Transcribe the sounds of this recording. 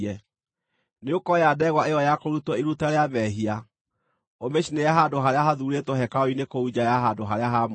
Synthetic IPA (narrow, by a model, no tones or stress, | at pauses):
ɛ | neokɔjadɛɣwaejɔjakoɾutɔiɾutaɾeamɛɦia | omeɕinejaɦadoɦaɾeaɦaðuɾetoɦɛkaoinekoud͡ʒajaɦadoɦaɾeaɦam